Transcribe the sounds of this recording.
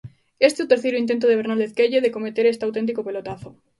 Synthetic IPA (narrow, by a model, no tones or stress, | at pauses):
est̪eut̪eɾθejɾʊint̪ent̪oðeβeɾnald̪eθkeʎeðekomet̪eɾest̪awt̪ent̪̬ikopelot̪aθo